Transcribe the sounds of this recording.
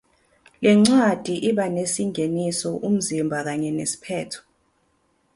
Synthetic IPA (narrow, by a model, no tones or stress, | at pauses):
lɛŋ͡ǀad̥ʱiʔiɓanesiŋʱenisɔʔum̩zimbʱak̬aɲɛnesi̥pʰɛːtʰɔ̥